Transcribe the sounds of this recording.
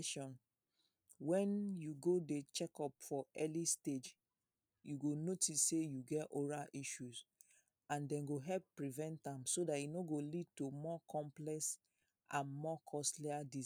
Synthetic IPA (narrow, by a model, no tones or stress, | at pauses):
ʃɔ̃n | wɛ̃njuɡodet͡ʃɛkɔpfɔɛlisted͡ʒ | juɡonotisːejuɡɛtoɹaʔiʃuz | ãndɛ̃nɡoɦɛlpːɹivɛ̃ntãmsodatjunoɡolid̚tumɔkʰɔ̃mplɛks | ʔãnmɔkʰɔstliadi